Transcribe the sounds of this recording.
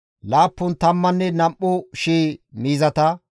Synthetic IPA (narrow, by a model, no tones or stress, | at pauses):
laːpːʊnt̪ɐmːɐnːɛnɐmʔɔʃeːmiːzɐt̪ɐ